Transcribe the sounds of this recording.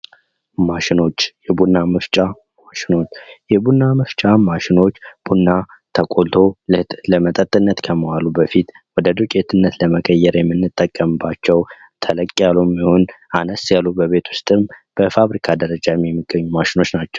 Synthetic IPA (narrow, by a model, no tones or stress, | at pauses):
maʃɪno̞t͡ʃːjɛbunːamɨft͡ʃʼa | maʃɪno̞t͡ʃːjɛbunːamɨft͡ʃʼamaʃɪno̞t͡ʃːb̥unːa | t̪ʰəkʼolt̪ʰo̞lɨhləmət̪ʼət̪ʼːɨnːət̪kʰəməwalubəfit̪ | wɔd̪əd̪okʼet̪ʰɨnːət̪ləməkʼəjːɛɾjɛmːɨnːɨt̪ʼːəkʼːəmbat͡ʃːɛw | t̪ʰələkʼːijalumiho̞nanəsjalubəβe̞t̪ʰwʊst̪ʼɨmb̥əfaβɾikʰad̪əɾəd͡ʒamjɛmːiɡːəɲːumaʃɪno̞t͡ʃːnat͡ʃːɛ̥w